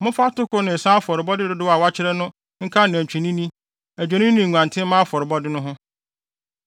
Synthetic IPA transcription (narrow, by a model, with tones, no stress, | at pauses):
mʊ̃˦fa˦tʊ˦kʊ˦nɪ̃˨n̩˨sã˦a˦fɔ˨ɾɪ˨bɔ˦dɪ˦dʊ˦dʊ˦wa˨wa˦t͡ɕʰɪ˦ɾɛ˦nʊ̃˦ | ŋ̩˦kʰa˦nɪ̃˨æ˨t͡ɕᶣʰi˨nĩ˦nĩ˦ | æ˨d͡ʑᶣa˨nɪ̃˦nĩ˨ɲʷ˨ã˨ntʰɪ̃˦mã˦fɔ˨ɾɪ˨bɔ˦dɪ˦nʊ̃˦ɦʊ̃˦